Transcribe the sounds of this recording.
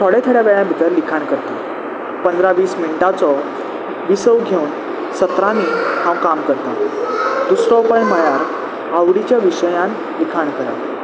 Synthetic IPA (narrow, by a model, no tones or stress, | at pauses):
t̪ʰɔɽet̪ʰəɽjaʋɛɭjãbʱit̪əɾlikʰaɳkəɾt̪i | pənd̪ɾaʋiːsmiɳʈat͡sɔ | ʋisəwɡʱeun | sət̪ɾanihãwkamkəɾt̪ad̪usɾɔpajməjaɾ | awɽit͡ɕjaʋiɕəjãn | likʰaɳkəɾa̰